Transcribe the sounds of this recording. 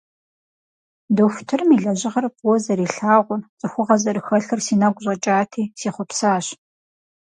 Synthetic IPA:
doxʷʊ̥tʰɨrɨmiːɮɐʑɪʁɐrpʼwɔzɐɾiːɬaːʁʷʊrt͡sʼɨxʷʊʁɐzɐɾɨxɐɬɨrsiːnɐɡʷʊʑʷʼɐt͡ʃʼaːtʰiːsiːχʷʊpsaːɕ

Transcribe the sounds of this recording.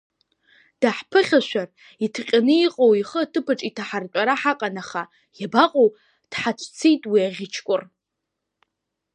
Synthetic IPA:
d̥aħpʰɨχʲaʃʷᶣar | itʰqʲʼanɨiqʼowiχəatʰɨpʰaʈ͡ʂʼitʰaħart͡ʃʷʼaɾaħaqʼanaχa | jabaqʼow | d̥ħat͡ʃʷʰt͡sʰejtʼwiaʁʲɪt͡ʃʰkʷʼʊr

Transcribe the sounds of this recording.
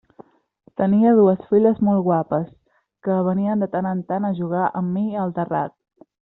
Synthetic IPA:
t̪əniəð̞uəsfiʎəzmɔlˠɣwapəs | kəβ̞əniənd̪ət̪anənt̪anəʒuɣ̞aʔəmːiəlˠt̪əra̰t̪̚

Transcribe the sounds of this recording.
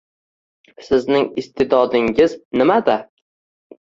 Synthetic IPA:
sɪznɪŋɪst̪ʰɪd̪ɒd̪ɪŋɪznɪmad̪a

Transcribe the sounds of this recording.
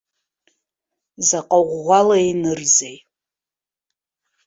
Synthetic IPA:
zaqʼaʁːʷalainɨrzej

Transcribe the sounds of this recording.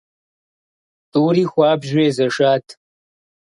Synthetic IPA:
t̪uːɾixwaːpʑweːzɐʂaːt̪

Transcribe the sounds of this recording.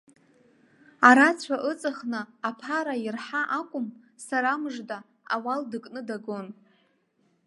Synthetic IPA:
aɾat͡ɕʷʰaʔɨt͡sʼɨχnɨːpʰaɾairħaʔakʷʼʊm | saɾamɨʐda | awaldɨkʼnɨdaɡon

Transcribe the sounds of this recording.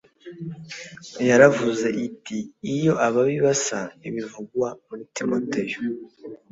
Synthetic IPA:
jaɾavuze̞ʔitiːjo̞ʔaβaβiβasaiβivuɡwamuɾitimotejo

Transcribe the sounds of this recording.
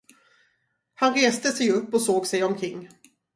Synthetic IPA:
hanɾeːst̪əsɛjɵpːɔsoːɡsɛjɔmkʰɾɪŋː

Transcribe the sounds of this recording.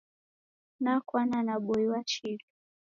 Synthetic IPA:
nakwananaɓɔiwat͡ʃilu

